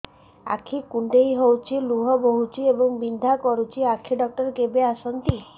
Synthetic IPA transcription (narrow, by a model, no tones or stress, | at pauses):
a̰kʰikuɳɖejɦowt͡ʃʰiluɦɔboɦut͡ʃʰiebɔŋbind̪ʱakɔɾut͡ʃʰiakʰːiɖɔk̚ʈɔɾkebeasɔnt̪i